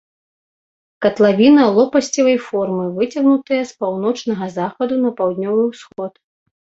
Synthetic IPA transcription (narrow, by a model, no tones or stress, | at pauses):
kɐt̪lˠavʲinɐlˠɔpɐsʲt͡sʲɐvɐjfɔrmɨvɨt͡sʲɐɣnut̪ɐjɐspawnɔt͡ʂnɐɣɐzaxɐd̪unɐpawd̪nʲɔvɨwsxɔt̪